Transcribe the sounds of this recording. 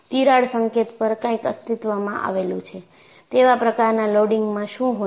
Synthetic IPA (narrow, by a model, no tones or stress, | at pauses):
t̪iɾaɽsəŋket̪pəɾkãĩkə̰st̪it̪ʋamãʔa̰ʋelũt͡ʃʰe | t̪eʋapɾəkaɾnaloɽiŋɡmãʃũɦo